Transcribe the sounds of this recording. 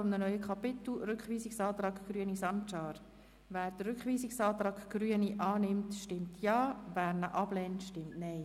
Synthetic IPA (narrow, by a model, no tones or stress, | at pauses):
ɔmnənœʏəkʰɑpɪt̪l̩ɾʏkχʋiːsiksɑːt̪rɑːkɡ̥ryənisɑnt͡ʃɑːɾ | ʋæːɾd̥ərʏkχʋiːsɪksɑːt̪ɾɑːkɡ̥ryəniʔɑːnɪmtʃtɪmtʰjɑːvæːɾnəʔɑb̥lɛntʃtɪmtnɛɪ